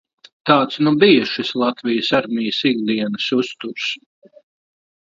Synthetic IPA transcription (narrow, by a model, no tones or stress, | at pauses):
t̪aːt̪snubijɐʃislˠat̪vijəsaɾmijəsiɡd̪iɛnɨsust̪uɾs